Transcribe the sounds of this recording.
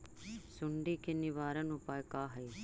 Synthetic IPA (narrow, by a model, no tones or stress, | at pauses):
sʊɳɖikenɪʋaːɾənʊpaːjkaːɦɐi